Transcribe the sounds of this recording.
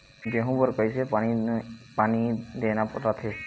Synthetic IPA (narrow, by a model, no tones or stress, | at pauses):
d͡ʒeɦũbəɾkəjsepañipanid̪enapəʈat̪ʰe